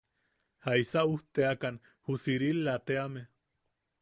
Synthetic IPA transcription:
haisauht̪eakan | husiɾilːat̪eame

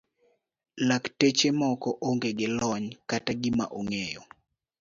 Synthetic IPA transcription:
laktet͡ʃemɔkɔʔoŋɡeɡɪlɔɲkataɡɪma̰ʔoŋejɔ̰

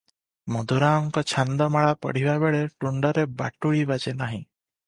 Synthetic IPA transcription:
mɔd̪ʱuɾaːŋkɔt͡ʃʰand̪ɔmaɭapɔ̰ɽ̤ibabeɭeʈuɳɖɔɾeba̰ʈuɭibad͡ʒenaɦĩ

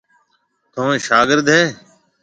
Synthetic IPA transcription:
t̪ʰõːẽːʃaːɡɪɾd̪ɦeː

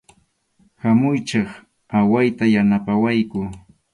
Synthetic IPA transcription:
hamʊjt͡ʃɑχ | awajt̪ajanapawajkʊ

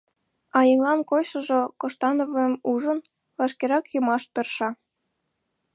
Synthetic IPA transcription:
ɑjɤŋlɑnkoʃɤ̆ʒŏkoʃt̪ɑnoβɤmuʒə̆n | vɑʃkeɾɑkjumɑʃp̪erʃɑ

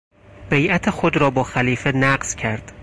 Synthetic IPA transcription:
b̥ejʔæt̪ʰexod̪ɾɒːbɒːxæliːfenæɢz̥cʰæɾd̪̥

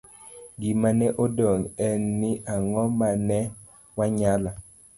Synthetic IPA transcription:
ɡimanɛʔodɔŋɛnːɪʔaŋɔmanɛ | waɲala

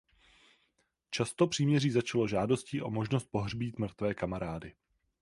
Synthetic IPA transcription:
t͡ʃast̪o̞pr̝̥iːmɲɛriːzat͡ʃalo̞ʒaːdo̞sciːʔo̞mo̞ʒno̞st̪̚po̞ɦrbiːt̪mr̩t̪vɛːkamaɾaːdɪ

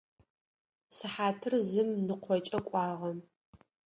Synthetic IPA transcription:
sɨħaːtʰɨrzɨmnɨqʷʰɔt͡ʃʼɐkʷʼɑːʁɐm

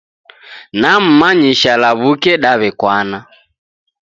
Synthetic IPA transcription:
nam̩maɲiʃalaβukɛɗaβɛkwana

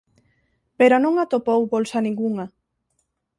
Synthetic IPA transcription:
peɾonõŋat̪opowbolsɐnĩŋɡuŋɐ

